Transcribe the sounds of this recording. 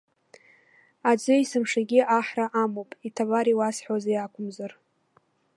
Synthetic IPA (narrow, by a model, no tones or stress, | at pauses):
ad͡ʒʷɨisɨmʂaɡʲiaħraʔamowpʼitʰabaɾiwasħʷazejakʷʊmzar